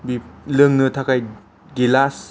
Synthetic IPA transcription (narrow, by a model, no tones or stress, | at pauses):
bilɯŋnɯt̪ʰakʰaj | ɡilas